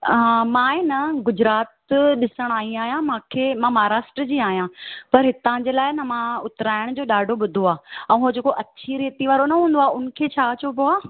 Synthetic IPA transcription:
ɦãmãːenɐɡʊd͡ʑɾaːt̪ɗɪsəɽ̃aːɦĩaːɦijãmãːkʰeːmãːmaaɾaːʃʈɾəd͡ʑiːaːɦijãpɐɾɦɪt̪ãd͡ʑeːlaːɪnɐmãʊt̪ɾaːɪɽ̃d͡ʑoːɗaːɖʱoɓʊd̪ʱoaːɛ̃ːɦoːd͡ʑeːkoʔɐt͡ɕʰiɾeːt̪iʋaːɾonɐɦũːn̆d̪oaːʊnə̆kʰeːt͡ɕʰaːɐt͡ɕopioaː

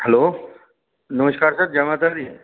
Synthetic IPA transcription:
hɛlo | nəməskaɾsət̪̚d͡ʑəmat̪əɾd̪i

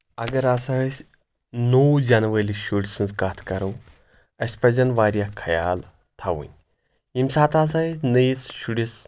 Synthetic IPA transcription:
ɐɡɐɾasasʲ | nowd͡ʒanʋɐliʃuɽsɨnzkaːt̪ʰkɐɾɐw | ɐsʲpɐzɐnʋaːɾjakʰɐja̰ːl | t̪ʰaʋṵnʲ | imsaːt̪aːs̬asʲnɨjsʃuɽis

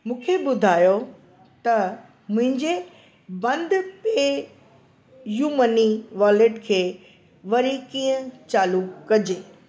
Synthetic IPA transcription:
mũːkʰebʊd̪ʱaːjo | t̪ɐ | mʊ̃ɦɪ̃ɲd͡ʑe | bɐ̃nd̪peː | juːməniʋaːlɪʈkʰeː | ʋɐɾikiːə̃t͡ɕaːlukɐd͡ʑeː

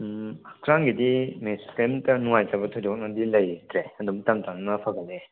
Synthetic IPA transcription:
akʰɾaŋɡidimeskemtɐnuŋajtɐbɐtʰojdɔk̚nɐdilɐjtɾeɐdumtamtannɐpʰaɡɐtlːe

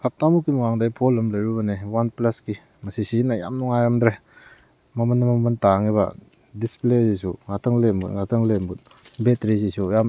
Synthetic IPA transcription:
kʰap̚tamukːimuwaŋdajpʰolɐmlɐjɾubɐnewanplaski | mɐsisiinaja̰mnuŋajɾamd̪ɾe | mɐmɐnːɐmamɐntaŋiba̰ | displezisuŋatʰɐŋlembṵtŋatʰɐŋlembut̚ | betɾisisujam

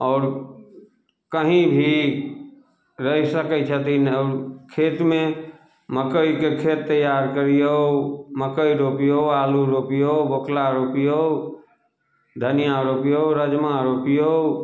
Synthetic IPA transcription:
ɔːɾ | kəɦĩbʱi | ɾəɦisəkət͡ʃʰət̪inɔːɾkʰeːt̪mẽ | məkəikekʰeːt̪ːəjaːɾkəɾioməkəiɾoːpioaːluɾoːpijobokʰlaɾoːpio | d̪ʱənijaɾoːpijoɾəd͡ʒmaɾoːpijo

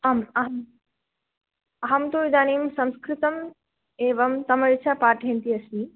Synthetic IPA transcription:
ɐmɐɦɐm | ɐɦɐmt̪oːid̪aːniːmsɐ̃nskɾit̪ɐm | eːʋɐmt̪ɐmɐɾit͡ʃʰapaːʈɦẽnt̪iɐsmi

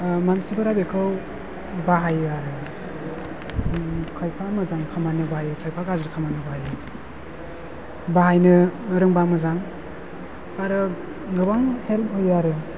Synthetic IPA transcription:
mansibaɾabekʰɯw | baɦajaɾɯ | kʰajpʰamɯzaŋkʰamanɯbaajɯtʰajpʰaɡazɾɯkʰamanɯbaajɯ | baɦajnɯɾɯŋbamɯzaŋ | aɾɯ | ɡɯbaŋhel̚hɯjaɾɯ

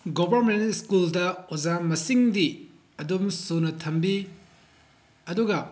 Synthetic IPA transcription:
ɡobʱɐɾmentskuldɐozamɐsiŋdi | ɐdumsunɐtʰɐmbi | ɐduɡɐ

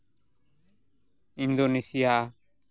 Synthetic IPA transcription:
ĩnd̪onesija

